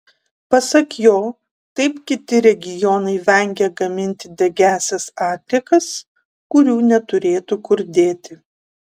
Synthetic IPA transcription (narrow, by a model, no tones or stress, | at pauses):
pɐsɐkjoː | t̪ɐɪpkʲɪt̪ʲɪɾʲɛɡʲɪjɔnɐɪʋʲɛŋʲɡʲɛɡɐmʲɪnʲt̪ʲɪd̪ʲɛɡʲæːsʲɛsɑːt̪ʲlʲɪkɐs | kʊɾʲuːnʲɛt̪ʊɾʲeːt̪ukʊɾʲd̪ʲeːt̪ʲɪ